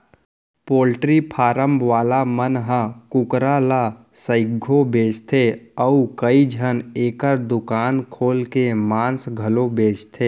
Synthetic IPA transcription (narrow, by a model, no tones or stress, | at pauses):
poːlʈɾipʰaːɾə̃mbʱʋaːlamənɦə̃kʊkɾala | səɪɡʱobeːt͡ʃt̪ʰeəukəid͡ʒʱəneːkəɾd̪ʊkaːnkʰoːlkemãːnsɡʱəlobʱeːt͡ʃt̪ʰeː